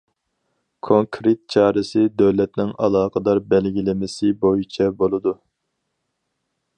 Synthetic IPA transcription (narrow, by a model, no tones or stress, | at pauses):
kʰoŋkʰɾet̪̚t͡ʃʰɑːɾɨsɪd̪wlɛt̪nɪŋɑlˠɑːqəd̪ɑɾbɛlɡʲilɪmɪsɪbojit͡ʃʰɛbolˠɨd̪u